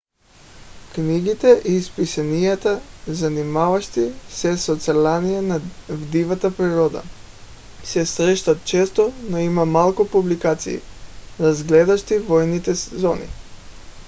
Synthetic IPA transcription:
kniɡit̪ɛʔispisanijat̪azanimavaʃt̪isɛsot̪sɛlanijanavd̪ivat̪apɾiɾɔd̪a̰ | sɛsɾɛʃt̪at̪̚t͡ʃɛst̪onoimamalˠkupublikat̪sḭːɾazɡlɛd̪aʃt̪ivɔjnit̪ɛszɔnḭ

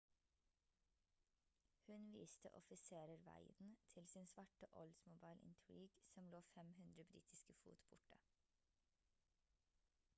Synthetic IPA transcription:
hʉnʋiːst̪ʰə̰ʔɔfɪseːɾəɾʋæ̰ɪnt̪ʰɪlsɪnsʋɑʈəʔɔlsmʊbɑɪlʔɪ̰nt̪ʰɹiːɡsɔmloːfɛmhʉnd̪ɾəbɾḭːt̪ʰɪskəfṵːt̪bʊʈə

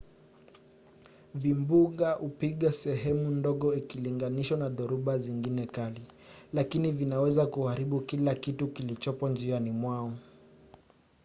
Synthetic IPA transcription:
vimbuɠaʔupiɠasɛɦɛmundɔɠɔikiliŋɡaniʃwanaðɔɾuɓaziŋɡinɛkalilakinivinawɛzakuhaɾiɓukilakitukilit͡ʃɔpɔnd͡ʒianimwaɔ

